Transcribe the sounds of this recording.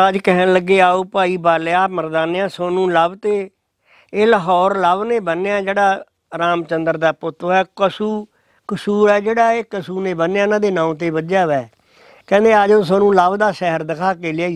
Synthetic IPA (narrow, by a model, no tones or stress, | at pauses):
əd͡ʒkɛɦənləɡːeːaːoːpaːiːbaːleːaːməɾd̪aːnjãːsoːnũːləbt̪eː | eːləɦɔːɾləbneːbənːeaːd͡ʒeːɽaː | ɾaːmt͡ʃənd̪əɾd̪aːpʊt̪ʰːoɛːkəsuː | kəsuːɾɛːd͡ʒeːɽaːeːkəsuːneːbənːjaːɪnãːd̪eːnãːũːt̪eːbəd͡ʒaːʋɛː | kɛ̃ːnd̪eːəd͡ʒoːs̬oːnũːləbd̪aːʃɛɦəɾd̪ɪkʰaːkeːlɪaːi